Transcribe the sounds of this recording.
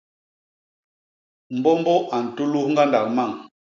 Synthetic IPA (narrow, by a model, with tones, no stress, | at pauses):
m̩˨bɔ˦mbɔ˦ʔa˨n̩˨tu˦lu˦hŋ̩˦ɡa˦nda˨k̚ma˦˨ŋ